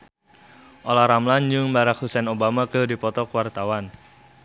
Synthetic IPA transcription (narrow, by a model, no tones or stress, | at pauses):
ʔolaɾamland͡ʒʊŋbaɾakhusɛnobamakədipɔt̪ɔkəwart̪awan